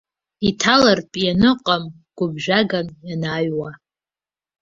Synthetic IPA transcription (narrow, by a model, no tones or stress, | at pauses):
itʰalarpʼjanɨqʼam | ɡ̥ʷʊbʒᶣaɡanjanaːɥwa